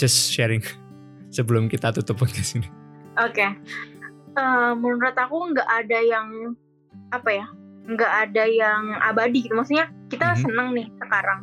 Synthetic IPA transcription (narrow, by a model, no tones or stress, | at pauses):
d͡ʒasʃɛɾɪŋ | səbəlʊmkit̪at̪ut̪ʊp̚ɔt̚kasini | ʔoke | əmunɾʊt̪akuəŋɡaʔadajaŋ | apaja | əŋɡaʔːdajaŋa̰badiɡit̪umaksuk̚ɲakit̪asənəŋnɪhsəkaɾaŋ